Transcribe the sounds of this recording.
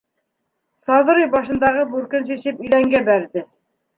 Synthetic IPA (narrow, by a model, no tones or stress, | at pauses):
sɑð̆ɾijbɑʃɤ̆nd̪ɑʁɤbʉɾkɘnsisɘpɵ̆jlæŋɡæbæɾðɘ